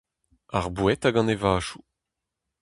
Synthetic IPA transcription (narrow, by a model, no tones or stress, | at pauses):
aʁbwɛt̪aɡɑ̃nevaːʃu